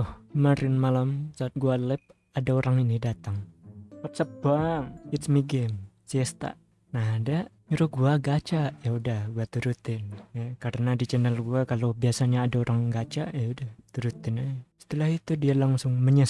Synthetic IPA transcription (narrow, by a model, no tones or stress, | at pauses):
ɔhkəmaɾɪnmalamsaːt̪̚ɡualɛp̚ | adaoɾaŋinidat̪aŋwat̪̚səp̚b̥aŋit̪smiɡɛm | siəst̪a̰ʔ | naɦdaʔɲuɾʊɡuaɡat͡ʃaʔjaudahɡuat̪uɾut̪ɪnjakaɾənadit͡ʃənəlɡuakalobiasaɲaːdaoɾʔaŋɡat͡ʃaʔjaudaht̪uɾut̪ɪnasə̥t̪əlaɦit̪udialaŋsʊŋməɲəs